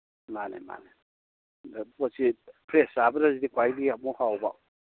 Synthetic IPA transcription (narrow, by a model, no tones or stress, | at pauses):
mana̰ma̰ne | pɔsipʰɾesabɯɾazidikwajbiamɔhawba̰w